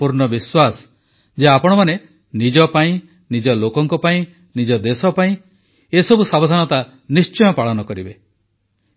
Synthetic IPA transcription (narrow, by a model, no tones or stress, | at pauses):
uɾɳɔbiswasɔ̥ | d͡ʒeapɔɽ̃ɔmane | nid͡ʒɔpaĩ | nid͡ʒɔlokɔŋkɔpaĩ | nid͡ʒɔd̪esɔpaĩ | esɔbusabɔd̪ʱanɔt̪a | nist͡ʃɔjɔpaɭɔnɔkɔɾibe